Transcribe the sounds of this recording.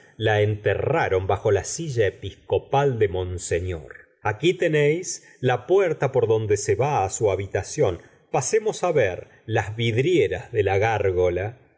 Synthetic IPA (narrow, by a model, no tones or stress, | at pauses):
laent̪eraɾo̞mbaxo̞lasiʒaepisko̞pald̪emõ̞nseɲjo̰ɾ | akit̪enejs | lapwɛɾt̪apo̞ɾðo̞nd̪eseβaːsuaβit̪asjo̞n | pasemo̞saβeɾ | lazβiðɾjeɾazðelaɣaɾɣola